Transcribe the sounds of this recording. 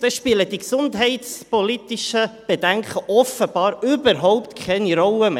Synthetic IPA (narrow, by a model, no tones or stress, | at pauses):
d̥ɛʃpiləd̥̪iksʊndɦɛɪt̪spɔlit̪iʃəb̥ed̥̪æŋkχəʔɔfəb̥ɑːɾʏbəɾɦɔʊpt̪kʰɛniɾɔləme